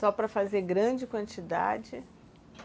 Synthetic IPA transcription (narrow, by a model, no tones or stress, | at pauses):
sɔpɾɐfazeɾɡɾɐ̃d͡ʒɪkwɐ̃nt͡ʃid̪a̰d͡ʒɪ